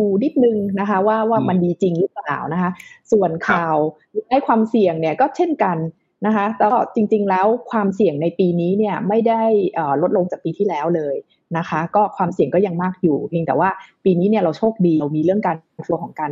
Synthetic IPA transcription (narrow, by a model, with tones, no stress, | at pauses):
uː˧ni˦˥t̪̚nɯ˧ŋna˦˥kʰa˦˥waː˥˩waː˥˩ma˧ndiː˧t͡ɕi˧ŋɾɯ˦˥plaː˨˩wna˦˥kʰa˦˥su˨˩ənkʰaː˨˩w | na˥˩jkʰwaː˧msi˨˩əŋni˥˩ɐkɔː˥˩t͡ɕʰe˥˩nka˧nː | a˦˥kʰa˦˥t̪ɛː˨˦˥t͡ɕi˧ŋt͡ɕi˧ŋlɛː˦˥wkʰwaː˧msi˨˩əŋna˧jpiː˧niː˦˥ni˥˩ɐma˥˩jda˥˩jʔɤː˨˩lo˦˥t̪̚lo˧ŋt͡ɕaː˨˩piː˧t̪ʰiː˥˩lɛː˦˥wlɤː˧j | na˦˥kʰa˦˥kɔː˥˩kʰwaː˧msi˨˩əŋkɔː˥˩ja˧ŋmaː˥˩k̚juː˨˩ki˧ŋt̪ɛː˨˩waː˥˩piː˧niː˦˥ni˥˩ɾa˧wt͡ɕʰoː˥˩k̚diː˧wmiː˧ɾɯ˥˩əŋkaː˧n˧nfʰɯ˧əkʰɔː˩˦ŋka˧n